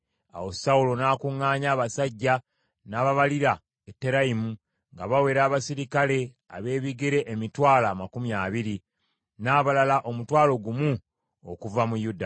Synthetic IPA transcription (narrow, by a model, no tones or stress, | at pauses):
a̰wo̞saulo̞naːkuŋːaːɲaːβasaɟːa | naːβaβaliɾa | etːe̞ɾaimu | ŋɡaβawe̞ːɾaːβasiɾikale̞ | a̰βe̞ːβiɡeɾe̞ʔːmitwaːlamakumjaːβiɾi | naːβalalaʔo̞mutwaːlo̞ɡumu | o̰kuvamujuda